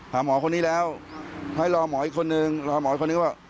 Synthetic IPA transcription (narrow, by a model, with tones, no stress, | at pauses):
haː˩˦mɔː˩˦kʰo˧nːiː˦˥lɛː˦˥wha˥˩jɾɔː˧mɔː˩˦ʔiː˨˩kʰo˧nːɯ˧ŋlɔː˧mɔː˨˩˦i˨˩kʰːo˧nɯ˧˥˩a˧˩